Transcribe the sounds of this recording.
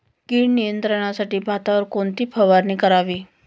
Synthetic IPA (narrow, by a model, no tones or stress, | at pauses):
kiːɳnijənt̪ɾəɳ̃asaʈiːbʱat̪aʋəɾkoɳt̪iːpʰəʋaɾniːkəɾaʋiː